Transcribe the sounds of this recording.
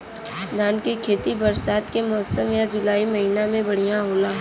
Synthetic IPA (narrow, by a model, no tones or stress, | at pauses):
d̪ʱaːnkekʰeːt̪ibɐɾsaːt̪kemɔːsəmjad͡ʒʊlaːimɐɦiːnamẽbɐɽ̤ijãɦoːlaː